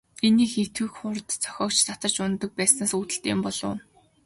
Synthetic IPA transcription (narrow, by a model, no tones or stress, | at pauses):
eniːxet̪wɘ̆kχʊrt̪t͡sʰœ̥xʲɔːkt͡ɕt͡sat̪ə̆t͡ɕʊnt̪ə̆k̚pæːsnaːsut̪ɘ̆ɬt̪eːmpɔɮʊ̰ː